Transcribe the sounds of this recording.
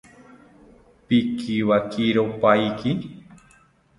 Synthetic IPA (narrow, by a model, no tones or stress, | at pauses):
pikʰiβakʰiɾopajki